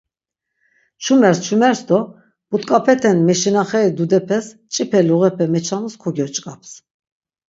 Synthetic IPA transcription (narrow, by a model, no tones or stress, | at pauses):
t͡ʃʰumɛɾst͡ʃʰumɛɾsd̪ɔ | b̥ut̪kʼapʰɛt̪ʰɛnmɛʃinaχɛid̪ud̪ɛpʰɛs | t͡ʃʼipʰɛluʁɛpʰɛmɛt͡ʃʰanuskʰɔɡɔɾt͡ʃʼkʼap̚ʰs